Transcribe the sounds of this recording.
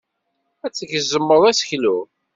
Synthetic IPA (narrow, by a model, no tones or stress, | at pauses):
æt͡sːəʝəzːəmːəðˤæsə̥çlu